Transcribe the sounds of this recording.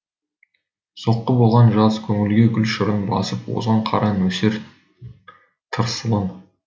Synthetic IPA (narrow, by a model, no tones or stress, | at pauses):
so̞qːəbo̞lˠʁɑnʒɑzkʲʰɵŋɪlɡʲe̞ɡʲʏlʃəɾənbɑ̰səpwo̞̰zʁɑɴqʰɑ̰ɾɑnɵse̞ɾ | t̪ʰəɾsəlˠən